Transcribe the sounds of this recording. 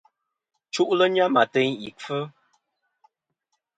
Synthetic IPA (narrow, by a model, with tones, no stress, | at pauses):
t͡ʃu˦ʔlə˦ɲa˦ma˨tɛ˦ɲḭ˨fə˦